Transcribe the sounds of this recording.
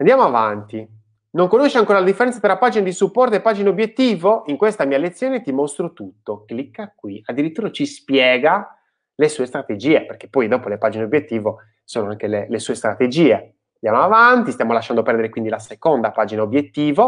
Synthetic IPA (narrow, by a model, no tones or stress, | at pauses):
and̪jamoavant̪i | noŋkonoʃːeaŋkoːɾalad̪ifːeɾɛnt̪sat̪ɾapːaːd͡ʒinad̪isupːɔrt̪oepːaːd͡ʒinaobjet̪ːiːvoiŋkwest̪amiːalet̪sːjoːnet̪imost̪ɾot̪ut̪ːoklikːakwiad̪ːiɾit̪ːuːɾat͡ʃispjɛːɡa | lesuːest̪ɾat̪ed͡ʒiːeperk̟e̥pːɔjd̪ɔːpolepaːd͡ʒineobjet̪ːiːvo | soːnoaŋkelelesuːest̪ɾat̪ed͡ʒiːe | and̪jamoavant̪ist̪jamolaʃːand̪opɛrd̪eɾekwind̪ilasekond̪apaːd͡ʒinaobjet̪ːiːvo